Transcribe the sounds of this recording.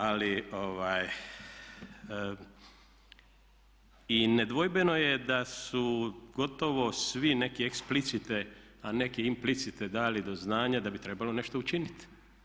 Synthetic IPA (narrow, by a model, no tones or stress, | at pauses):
alioʋaːj | ined̪ʋo̞jbe̞no̞jed̪asuɡo̞t̪o̞ʋo̞sʋine̞kieksplit̪sit̪e | ane̞kiimplit̪sit̪ed̪aːlid̪o̞znaːɲad̪abit̪ɾe̞balo̞ne̞ʃt̪o̞ut͡ʃinit̪